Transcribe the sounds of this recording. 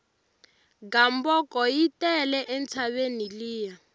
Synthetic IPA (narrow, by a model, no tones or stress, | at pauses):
ɡambɔkɔjitɛlɛʔɛnt͡sʰaβeniliːja